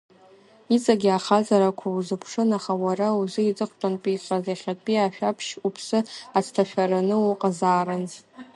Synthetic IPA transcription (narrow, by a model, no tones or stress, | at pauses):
it͡sʼaɡʲɪaχazaɾakʷʰawuzɨpʰʂɨnaχawarauzɨit͡sʼɨχʷʰʈ͡ʂʼanpʼiɬʼazaχʲatʼpʼiaʃᶣapʰʃupʰsɨat͡sʰtʰaʃᶣaɾanɨuqʼazaːɾan